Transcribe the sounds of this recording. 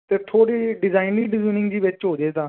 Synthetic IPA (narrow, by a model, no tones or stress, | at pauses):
t̪eːt̪ʰoːɽiːɖɪzaːɪniːɖɪziːnɪ̃ŋɡd͡ʒiːʋɪt͡ʃɦoːd͡ʒeːt̪ãː